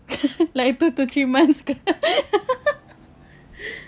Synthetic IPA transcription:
lait̪ut̪ut͡ʃimanska

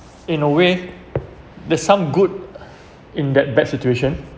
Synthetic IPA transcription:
ĩnəwe | dɛsãmɡud̚ | ĩndɛt̚bɛt̚situeʃə̃n

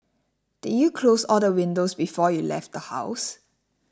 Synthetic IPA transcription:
d̥idjukʰlosɔldəwɪ̃ndosbifɔjulɛ̰ft̚dəha̰ʊs

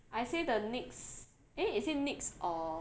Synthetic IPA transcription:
ʔajsedəniks | ɛ̃itsenɪksʔɔ

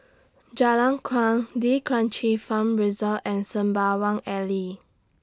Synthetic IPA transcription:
d͡ʒalãŋkʰwãŋdikʰɹãnt͡ʃifãmɹizɔlɛ̃nsə̃mbawãŋɛli

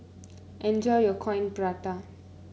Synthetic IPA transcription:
ʔɛ̃nd͡ʒɔjjɔkʰɔ̃j̃npɹat̪a

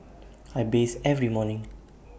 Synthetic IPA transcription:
ajbesɛvɹimɔnɪ̃ŋ

